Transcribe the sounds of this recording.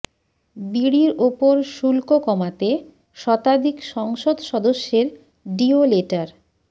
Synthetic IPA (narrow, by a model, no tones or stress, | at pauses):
biɽiɾopoɾʃulkokɔmat̪e | ʃɔt̪ad̪ʱikʃɔŋʃod̪ʃɔd̪oʃːeɾ | ɖioleʈaɾ